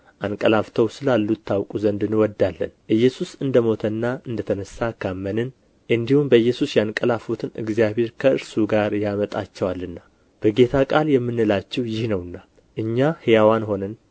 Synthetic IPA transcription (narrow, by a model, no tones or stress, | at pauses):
ʔankʼəlaft̪ʰəwsɨlalːut̪ʰːawkʼuzənd̪ɨnwɔd̪ːalːə̰nʔɨjːɛsusɨnd̪əmo̞t̪ʰənːaɨnd̪ət̪ʰənəsːakʰamːənɨn | ʔɨnd̪ihumbəɨjːɛsusjankʼəlafut̪ʰɨnʔɨ̰ɡzijaβe̞ɾkʰəɨɾsuɡaɾjamət̪ʼat͡ʃːɛwalːɨnːa | b̥əɡe̞t̪ʰakʼaljɛmːɨnɨlat͡ʃːɛhjɪhnəwɨnːa | ʔɨɲːahɨjawanho̞nən